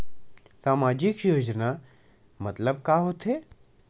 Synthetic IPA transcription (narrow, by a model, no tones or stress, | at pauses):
saːmaːd͡ʒɪkjoːd͡ʑna | mɐt̪ləb̚kaːɦot̪ʰeː